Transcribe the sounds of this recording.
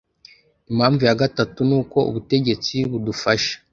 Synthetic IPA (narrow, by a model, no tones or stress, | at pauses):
imhaːɱvujaɡatatunuːko̞ṵβute̞ɟe̞t͡siβudufaʃḁ